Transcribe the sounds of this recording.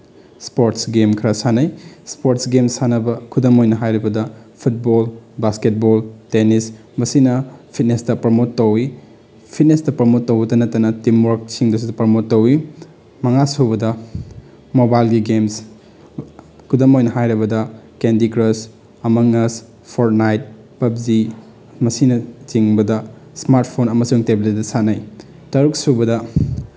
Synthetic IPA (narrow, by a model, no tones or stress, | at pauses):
spoɾtsɡemkʰɐɾɐsanɐjspoɾtsɡemsanɐbɐkʰudɐmojnɐɦajɾibɐdɐ | pʰut̚bolbasket̚boltenis | bɐsinɐpʰit̚nestɐpɾɐmotːɐwi | pʰit̚nestɐpɾɐmotːɐwbɐtɐnɐtːɐnɐtimwoɾk̚siŋdɐs̬udɐpɾɐmotːɐwi | mɐŋasubɐdɐ | mobajlɡiɡems | kʰudɐmojnɐɦajɾɐbɐdɐkendikɾɐs | ɐmɐŋɐs | pʰoɾt̚najt̚ | pɐp̚zi | mɐsinɐt͡ʃiŋbɐdɐ | smaɾt̚pʰonɐmɐsuŋtebilitidɐsanaj | tɐɾuk̚subɐdɐ